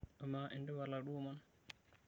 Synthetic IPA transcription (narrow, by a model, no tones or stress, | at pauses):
ɔmaʔɛndɛwaɾlaɗuman